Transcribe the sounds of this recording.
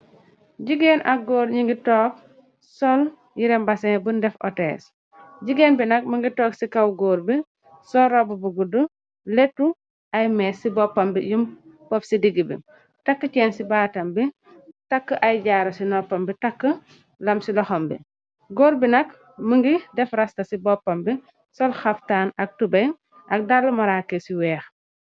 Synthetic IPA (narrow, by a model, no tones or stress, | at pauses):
ɟiɡenʔaɡoːɾɲiŋɡitɔːk̚ | sɔl | jiɾɛmbasɛŋbundɛfɔ̰tɛ̰ːs | ɟiɡeːnbinɐk̚məŋɡitɔːksikawɡoːɾbi | sɔɾobubuɡudu | lɛtːu | ʔajmɛːsibɔpːɐmbijumpɔpsidiɡibḭ | takːət͡ʃɛːnsibaːtɐmbi | takːəʔajɟaːɾɐsinɔpːɐmbitakːə | lɐmsilɐxɔmbḭ | ɡoːɾbinɐk | məŋɡidɛfɾɐstɐsibɔpːɐmbi | sɔlxaftaːnɐk̚tubɐj | ʔɐk̚dalːɐmɐɾaːkesiwɛːx